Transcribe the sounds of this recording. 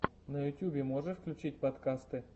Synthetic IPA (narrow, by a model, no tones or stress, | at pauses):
nɐjʊtʲjubʲɪmoʐəfklʲʉt͡ɕit̚ʲpɐt̪kast̪ɨ